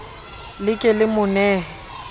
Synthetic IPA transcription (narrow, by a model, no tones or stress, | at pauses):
lɪkʼɪlɪmʊnɛːɦɛ